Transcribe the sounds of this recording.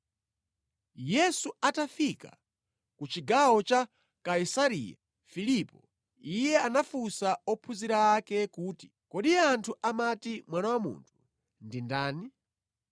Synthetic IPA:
jɛsuatafika̰ | kut͡ʃiɡawɔt͡ʃa | kaisaɾḭja̰ | filipɔ | ijɛanafusaɔpʰuziɾaːkɛkuːti̥ | kɔɗijɛantʰuʔamatimwanawamṵːntʰu̥ | ndindaːni

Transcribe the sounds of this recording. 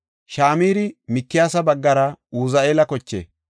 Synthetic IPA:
ʃaːmiːɾɪmɪkːɪjaːsɐbɐɡːɐɾɐuːzɐeːlɐkɔt͡ʃːḛː

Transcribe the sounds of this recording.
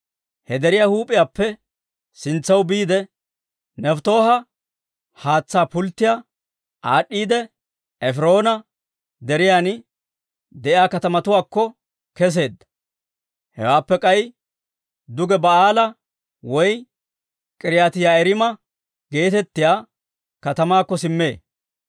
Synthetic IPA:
hɛd̪ɛɾɪjahuːpʼːɪjaːpːɛ | sɪnt͡sːɐwbiːd̪ɛ | nɛft̪o̞ːhɐ | haːt͡sːaːpʊlt̪ːɪjaː | ʔaːɗːiːd̪ɛ | ɛfɪɾo̞ːnɐ | d̪ɛɾɪjaːn | d̪ɛʔɪjaːkɐt̪ɐmɐt̪ʊwaːkːɔ | kɛs̬e̞ːd̪ːɐ̥ | hɛ̰waːpːɛkʼɐj | d̪ʊɡɛbɐaːlɐ | wɔj | kʼɪɾɪjaːt̪ɪjaːɛɾɪmɐ | ɡe̞ːt̪ɛt̪ːɪjaː | kɐt̪ɐmaːkːɔsɪmːe̞ː

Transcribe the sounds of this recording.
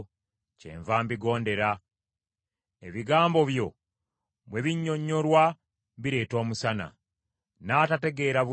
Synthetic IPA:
cḛɱvaːmbiɡo̞ːnde̞ɾa | e̞̰βiɡaːmbo̞βjo̞ | βwe̞βiɲːo̞ɲːo̞ɾwa | βiɾe̞ːto̞ːmusana̰ | natate̞ɡe̞ɾaβu

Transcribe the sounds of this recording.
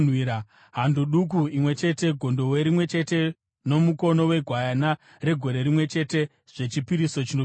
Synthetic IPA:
nwiɾa | ɦandoɗuk̬uimwe̞t͡ʃe̞te̞ɡʱo̞ndo̞weɾimwe̞t͡ʃe̞te̞ | no̞muko̞no̞we̞ɡʱwajana | re̞ɡʱo̞ɾe̞ɾimwe̞t͡ʃe̞te̞ | ʐ̥e̞t͡ʃipiɾiso̞t͡ʃino

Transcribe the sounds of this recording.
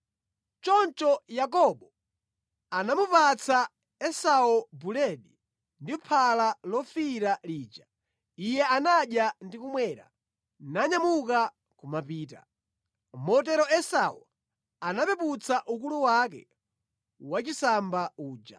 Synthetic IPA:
t͡ʃɔnt͡ʃɔjak̬ɔɓɔ | anamupat͡sa | ɛsaɔbulɛɗi | ndipʰalalɔfiɾaliːd͡ʒa | ijɛanaɗjandikumwɛɾa̰ | naɲamuka | kumapiːta̰ | mɔt̬ɛɾɔɛsawɔ̰ | anapɛput͡saʔukuluwakɛ̰ | wat͡ʃisambauːd͡ʒa̰

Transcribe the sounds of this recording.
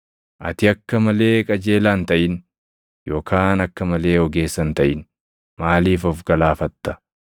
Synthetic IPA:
ʔɐ̰t̪ɪɐkːɐmɐle̞ːkʼɐd͡ʒe̞ːlaːnt̪ɐʔɪn | joːkʰaːnɐkːɐmɐle̞ːɔɡe̞ːsːɐnt̪ɐʔɪn | maːliːfɔfɡɐlaːfɐt̪ːɐ̥

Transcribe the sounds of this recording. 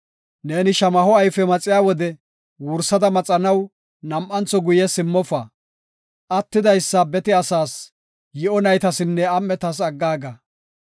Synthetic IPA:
ne̞ːnɪʃɐmɐɦɔɐjfɛmɐt͡sʼɪjaːwɔd̪ɛ | wʊɾsɐd̪ɐmɐt͡sʼɐnɐw | nɐmʔɐnt͡sːɔɡʊjɛsɪmːɔfɐ | ʔɐt̪ːɪd̪ɐjsːɐbɛt̪ɪɐsaːs | jɪɔnɐjt̪ɐsɪnːɛɐmːɛt̪ɐs̬ɐɡːaːɡɐ

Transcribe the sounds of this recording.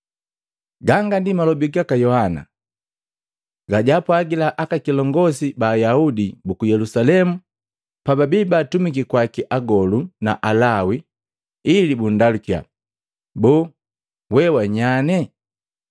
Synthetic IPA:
ɡaŋɡandimalɔbuɡiakajɔhana̰ | ɡaɟapwaɡilaʔakakilɔŋɡɔsibaːjaudibukujɛlusalɛmu | pababibaːtumikikwakiʔaɡɔluna̰ʔalawi | ilibundalukia̰ | bɔː | wɛwaɲanɛ

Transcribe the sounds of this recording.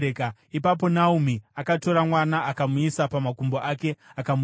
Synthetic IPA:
ekaipapo̞naum̤iakato̞ɾamwanaakamuisapamakumboʔake̞akamu

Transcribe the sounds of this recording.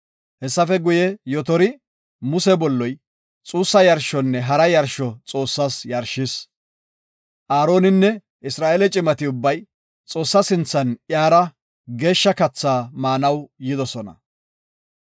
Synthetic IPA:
hɛsːɐfɛɡʊjɛjɔt̪ɔɾɪ | mʊsɛbɔlːɔj | t͡sʼuːsːɐjɐɾʃɔnːɛɦɐɾɐjɐɾʃɔt͡sʼo̞ːsːasjɐɾʃːɪs | ʔaːɾo̞ːnɪnːɛ | ɪsɾaːʔelɛt͡ʃʼɪmɐt̪ɪʊbːɐj | t͡sʼo̞ːsːɐsɪnt͡sːɐnjaːɾɐ | ɡe̞ːʃːɐkɐt͡sːaːmaːnɐwjɪd̪ɔsɔnɐ̰

